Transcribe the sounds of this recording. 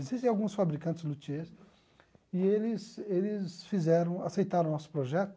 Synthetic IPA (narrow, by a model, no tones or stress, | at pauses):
ezist̪ẽawɡũsfabɾikɐ̃nt͡ʃ̪ɪzlut͡ʃies | ɪelɪselɪsfizɛɾɐ̃w̃asejt̪aɾɐ̃w̃nɔsʊ̥pɾoʒɛt̪ʊ